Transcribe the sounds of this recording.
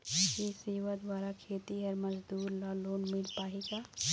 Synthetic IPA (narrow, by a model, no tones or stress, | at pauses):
kisiːʋəd̪ʋaːɾakʰeːt̪iɦɛɾməd͡ʒd̪uːɾlaloːnmɪlpaːɦiɡaː